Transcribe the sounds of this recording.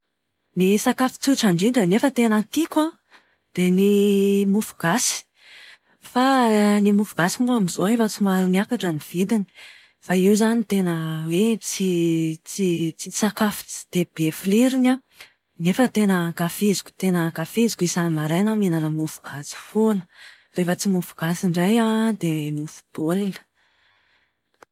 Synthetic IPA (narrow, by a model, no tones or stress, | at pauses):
nisakafi̥t͡suʈ͡ʂaɳɖ͡ʐidənefət̪enak̪ikʲa | d̪̥enimufu̥ɡ̥asi̥ | fanimufuɡ̥asimuamizoefat͡simaɾuniakaʈ͡ʂaniv̥id̪ini̥ | faiwzanit̪enəwet͡sit͡sit͡sisakafi̥t͡si̥d̪̥eb̥efliɾina | nefət̪enəkafizi̥kʲu̥t̪enəɡafizi̥kʲisanimaɾajnaminanəmufu̥ɡ̥at͡si̥fonə̥ | refət͡simufu̥ɡ̥asiɳɖ͡ʐajad̪emufu̥b̥olinə̥